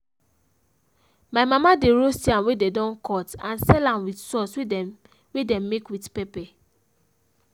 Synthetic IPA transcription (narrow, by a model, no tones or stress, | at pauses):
maɪmamadeɹostiãmwedɛdɔ̃nkʰɔtãnsɛlãmwitsɔswe | wedɛ̃mːekwitpɛpɛ